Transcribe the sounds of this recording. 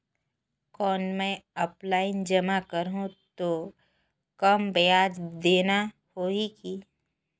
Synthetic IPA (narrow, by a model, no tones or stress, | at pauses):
kɔːnmɛ̃ɔplaːɪnd͡ʒɐmakəɾɦũt̪o | kɐmbejaːd͡ʒd̪eːna | hoːiki